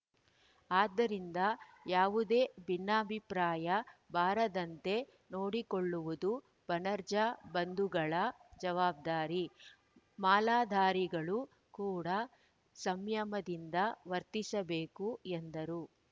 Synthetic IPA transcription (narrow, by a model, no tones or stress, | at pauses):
aːd̪ːɐɾind̪ɐ | jaːʋud̪e̞ːbinːaːbʱipɾaːjɐbaːɾɐd̪ɐnt̪e̞ | no̞ːɽikoɭːuʋud̪u | b̥ɐnɐɾd͡ʒɐbɐnd̪uɡɐɭɐd͡ʒɐʋaːb̚d̪aːɾi | maːlaːd̪ʱaːɾiɡɐɭu | kuːɽɐ | sɐmjɐmɐd̪ind̪ɐʋɐɾt̪isɐbeːkuend̪ɐɾu